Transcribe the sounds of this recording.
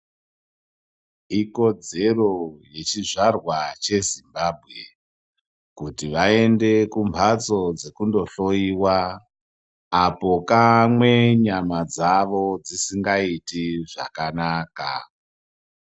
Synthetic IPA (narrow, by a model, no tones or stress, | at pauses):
iko̞d͡ze̞ro̞je̞t͡ʃiʐarwat͡ʃe̞zimbaːbʱɣe̞ | kutiʋae̞nde̞kumbʱat͡so̞d͡zekundo̞ɬo̞iwa | apo̞kamwe̞ɲamad͡zaʋo̞d͡zisiŋɡaitiʐa̰kanaka̰